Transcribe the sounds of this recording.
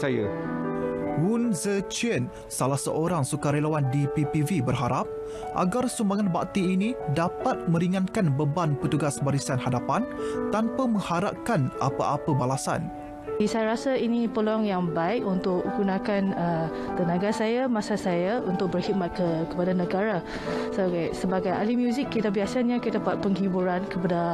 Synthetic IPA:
aja | wunzət͡ʃən | salahsə̰ʔoɾaŋsukaɾelawandipipivibərɦaɾap̚ | ʔa̰ɡarsumbaŋanbaʔ̚t̪iːnĩdapat̪̚mə̃ɾiŋãnkanbəbanpət̪uɡasbaɾisanhadapant̪anpamə̃ŋhaɾa̰p̚kana̰paʔapəbalasa̰n | isajaɾasainĩpəlɔŋjaŋbaɪk̚unt̪ʊk̚əɡunãkanə | t̪ənãɡasajamãsasajaunt̪ʊk̚bərhit̪̚mat̪̚kəkə̥padanəɡaɾa | soɡasəbaɡaja̰limjuzɪkːit̪abiasaɲakit̪apat̪̚pəŋhibuɾankəpada

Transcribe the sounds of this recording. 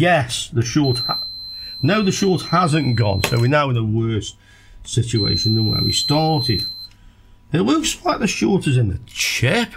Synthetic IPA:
jɛsðəʃɔɹth | noʊðəʃɔɹthazə̃nɡ̥ɔ̰̃nsoʊwɨnaʊɪ̃nəwɜˑ˞s | sɪt͡ʃʉḛɪʃə̃nðə̃nwɛ̰wḭstɑɹɾɪd̥ | ɪʔləkslaɪk̚ðəʃɔltəzɪ̃nðə̰t͡ʃʰɪp

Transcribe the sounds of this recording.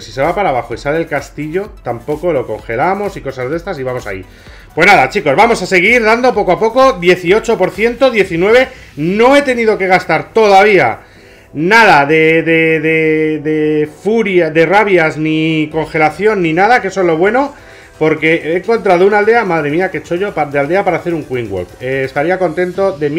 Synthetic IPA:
si̥se̞β̞apaɾaβaxo̞isallkast̪iʎo̞t̪ampo̞ko̞lo̞ko̞̰ŋxe̞lamo̞siko̞sazð̞e̞st̪asiβamo̞sa̰ḭ | pwe̞znaðat͡ʃiko̞zβamo̞sase̞ɣ̞iɾðand̪o̞po̞koapo̞ko̞dje̞θio̞t͡ʃo̞po̞ɾθje̞nt̪o̞ðje̞θinwe̞βe̞ | no̞e̞t̪e̞nið̞o̞ke̞ɣ̞ast̪aɾt̪o̞ðaβ̞ia̰ | naðaðe̞ðeðe̞ðe̞fuɾjaðe̞raβjazniko̞ŋxe̞laθjo̞nːinað̞akeesoe̞zlo̞β̞we̞no̞ | po̞ɾke̞ʔeŋko̞nt̪ɾaðounald̪e̞amaðɾe̞miake̞t͡ʃo̞ʝo̞paðeald̪e̞apaɾaːθe̞ɾuŋkwiŋɡwo̰lpeːst̪aɾiako̞nt̪e̞nt̪o̞ðe̞m

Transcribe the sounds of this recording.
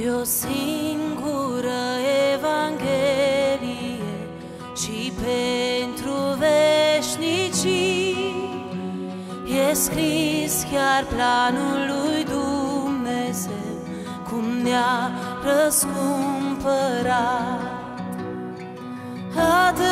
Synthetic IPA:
o̞siŋɡuɾəevaŋɡʲelije | ʃipent̪ɾuveʃnit͡ʃi | jeskɾiskʲarplanulːujd̪umnezew | kʰumnea | ɾəskumpəɾat̪ | at̪

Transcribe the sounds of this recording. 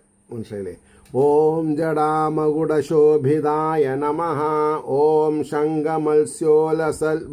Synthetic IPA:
unʂɐjlḛ | oːmd͡ʒɐɽaːmɐɡuɽɐʃoːbʱid̪aːjɐnɐmɐɦɐoːmʃɐŋɡɐmɐlsjoːlɐsɐl

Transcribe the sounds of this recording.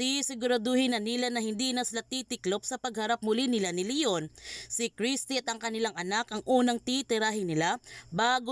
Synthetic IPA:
isɪɡʊɾad̪ohɪnɐnilanɐhɪnd̪inɐsɪlat̪it̪ɪklop̚sɐpɐɡ̚hɐɾap̚mʊlinɪlanɪlɪjonsɪkɾist̪iɐt̪ɐŋkɐnɪlaŋʔɐnakɐŋʔuːnɐŋt̪it̪ɪɾaːɦɪnɪlabaːɡo

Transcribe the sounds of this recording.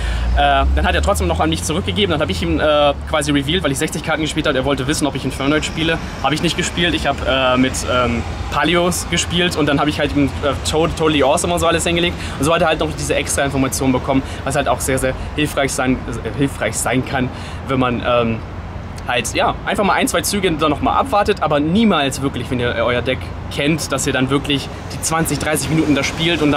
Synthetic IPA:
ʔɛːd̥anhateːɐtʁɔt͡ssd̥eːmnɔχanmɪçt͡suʁʏk̚ɡ̥əɡeːbm̩danhaːbəɪçiːmʔɛːkv̥aːziʁiviːltvaɪlɪçz̥ɛçt͡sɪçkʰaɐtn̩ɡəʃpiːlthabəeːɐvɔltəvɪsn̩ɔpɪçɪnfɛɐnaɪtʃpiːlə | haːbəɪçnɪçt̚ɡ̥əʃpiːltɪçhaːbəʔɛːmɪtʔɛːm | pʰaːliosɡ̥əʃpiːltʊntd̥anɦaːbəɪçhaltiːm̩ɛːtʰotʰoʊliʔɔsɔmʊnzoːʔaləshɪnɡəleːkt | ʊntzoːateːɐhaltnɔχd̥iːzəʔɛkstʁ̥aɪnfɔɐmat͡sjoːnbəkʰɔmən | vashaltaʊxz̥eːɐzeːɐhɪlfʁ̥aɪçz̥aɪnhɪlfʁ̥aɪçz̥aɪnkʰan | vɛnmanʔɛːm | haltjaːʔaɪnfaχmaːlʔaɪnt͡sv̥aɪt͡syːɡədanːɔχma̰ːlʔa̰pv̥aɐtətʔaːbɐniːmaːlsv̥ɪɐklɪçvɛniːɐʔʔɔʏɐdɛk | kʰɛntd̥asiːɐɾanvɪɐklɪç | d̥iːt͡sv̥ant͡sɪçd̥ʁaɪs̬ɪçminuːtn̩daʃpiːltʊntd̥a

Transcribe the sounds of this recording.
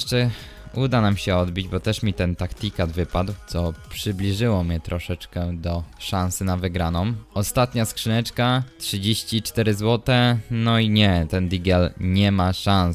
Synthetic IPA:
ʂt͡ʂɛ | ud̪anamɕɛɔd̪bʲid͡ʑbɔt̪ɛʂmʲit̪ɛnt̪akt̪ʲikad̪vɘpad̪wt̪sɔpʂɘblʲiʐɘwɔmʲɲɛt̪ɾɔʂɛt͡ʂkɛd̪ɔʂansɘnavɘɡɾanɔmɔst̪at̪ɲaskʂɘnɛt͡ʂkatʂɘd͡ʑeɕt͡ɕit͡ʂt̪ɛɾɘzwɔt̪ɛnɔiɲɛt̪ɛnd̪ʲiɡɛlɲɛmaʂãñs

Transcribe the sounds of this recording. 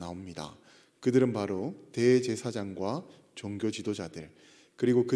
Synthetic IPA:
naomɲida̰ | kɯdɯɾɯnpaɾote̞t͡ɕe̞sʰad͡ʑaŋɡwa | t͡ɕoŋɡjot͡ɕidod͡ʑadɯɭ | kɯɾiɡokɯ

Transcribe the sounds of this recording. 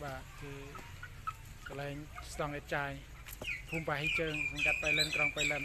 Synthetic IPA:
ɓaːkeː | kɑlaɛŋst̪ɑŋʔɛt̪̚t͡ɕaːj | pʰuːmpaːɦiːt͡ɕəːŋsɑŋkat̪̚pajlənkrɑŋpəjlən

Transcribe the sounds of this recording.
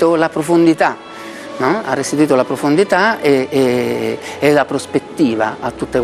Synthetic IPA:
t̪olapɾofond̪it̪a | nɔa̰rːest̪it̪uiːt̪olapɾofond̪it̪aee | ɛlapɾospet̪ːiːva̰ːt̪ːut̪ːek

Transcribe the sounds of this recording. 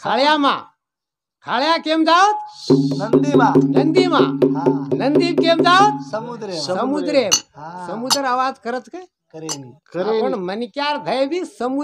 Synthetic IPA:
kʰaːɭjamã̰ː | kʰaːɭjakeːmd͡ʒaʋt̪ | nənd̪imãːnənd̪ibkeːmd͡ʒaʋət̪̚ | səmud̪ɾemsəmud̪əɾaʋaːd͡ʒkəɾət͡ʃke | pəɳmənkjaːɾd̪ʱəjbʱisəmu

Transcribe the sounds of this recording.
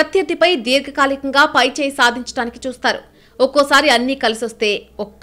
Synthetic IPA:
ɐt̪jɐd̪ipɐjd̪iːɾɡʱɐkaːlikɐŋɡaːpɐjt͡ʃɛːjɐsaːd̪ʱiɲt͡ʃɐɽaːniki̥t͡ʃuːst̪aːɾṵ | ɔkoːsaːɾiɐnːiːkɐlisiʋɐst̪e̞ːɔkː

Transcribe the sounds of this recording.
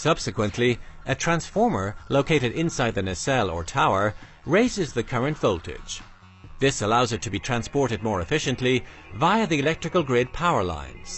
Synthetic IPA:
sʌb̥sɨkwɨ̃nʔliʔɨtʰɹ̥æ̃nsfɔɹmə˞loʊkʰeɪɾɨɾɪ̃nsaɪd̪̚ðɨnɨsɛlˠə̰˞tʰaʊə˞ | ɹeɪzɨzðɨkʰʌɹɨ̃ntv̥oʊlˠtɪ̰d̥ʒ̥ | ðɪsəlaʊzə˞ɾʰɨbitʰɹ̥æ̃nspɔɹɾɨd̚mɔɹɨfɪʃɨ̃nʔli | vaɪə˞ðiɨlɛk̚tɹ̥ɨkəl̩ˠɡɹɪd̚pʰaʊə˞lã̰ɪ̃nz̥

